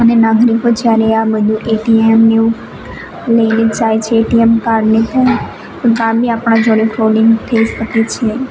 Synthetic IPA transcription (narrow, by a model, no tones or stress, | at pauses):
ənenaɡɾikod͡ʒjaɾeabəd̪ʱũʔeʈiemneu | ləined͡ʒajt͡ʃʰeːʈiemkaɾɖnepəɳ | ɡamiapɽ̃ãd͡ʒoɽ̃ifʰloliŋɡt̪ʰəid͡ʒpəket͡ʃʰe